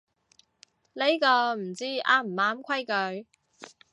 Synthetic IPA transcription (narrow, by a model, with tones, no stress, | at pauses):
le˥jkɔː˧m̩˨˩t͡siː˥a̰ː˥m̩˨˩aː˨˧˥mkʷʰɐ˥jkɵ˨˧ɥ